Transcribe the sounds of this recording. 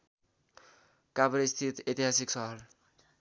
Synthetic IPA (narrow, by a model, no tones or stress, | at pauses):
kabɾist̪ʰit̪et̪iɦasiksʌɦʌl